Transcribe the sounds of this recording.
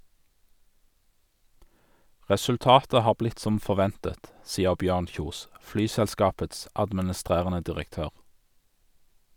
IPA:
ʁɛsʉlˈtɑːtə ˈhɑːʁ ˈblɪt ˈsɔm fɔʁˈʋɛntət ˈsiːəʁ ˈbjøːʁn ˈçuːs ˈflyːsɛlˌskɑːpəts ɑdmənəˈstʁeːʁənə dɪʁəkˈtøːʁ

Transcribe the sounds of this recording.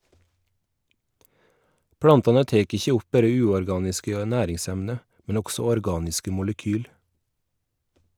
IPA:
ˈpɽɑntɑnə ˈteːk ˈɪçə ˈʊp ˈbæɾə ˈʉːɔɾˌɡɑːnɪskə ˈnæːɾɪŋˌsɛmnə mn̩ ˈʊɡsɔ ɔɾˈɡɑːnɪskə mʊləˈkyːl

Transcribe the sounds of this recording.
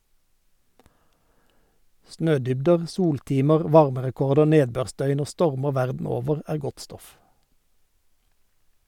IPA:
ˈsnøːˌdʏbdəʁ ˈsuːlˌtiːməʁ ˈʋɑʁməʁɛˌkɔʁdə ˈneːdˌbøːʁˌsdœʏn ˈoː ˈstɔʁməʁ ˈʋæʁdn̩ ˈoːʋəʁ ˈæːʁ ˈɡɔt ˈstɔf

